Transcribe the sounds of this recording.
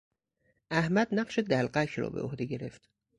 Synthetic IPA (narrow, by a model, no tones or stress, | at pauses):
ʔæhmæd̪næɢʃed̪ælɢækʰɾɒ̰ːbe̞̰ʔo̰hd̪e̞ɟe̞ɾe̞ft̪